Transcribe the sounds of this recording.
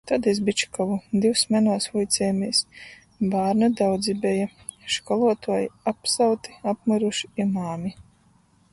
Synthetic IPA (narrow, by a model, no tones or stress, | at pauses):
t̪ad̪ɛzbit͡ʃi̥kɔvud̪iwsmɛnuːsvujt̪sʲɛːmʲijs | baːɾnɨd̪awd̪zibɛja | ʃkɔlˠuɔt̪uɔjapsawt̪i̥apmɨɾuʃi̥imaːmʲi